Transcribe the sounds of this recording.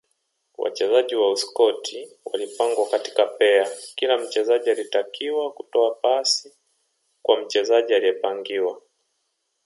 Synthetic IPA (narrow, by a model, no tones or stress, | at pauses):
wa̰t͡ʃɛzaʄiwauskɔtʰiwa̰lipaŋɡwakati̥kapɛakilam̩t͡ʃɛzaʄialitakiwakutɔapasi | kwam̩t͡ʃɛzaʄialijɛpaŋɡiwa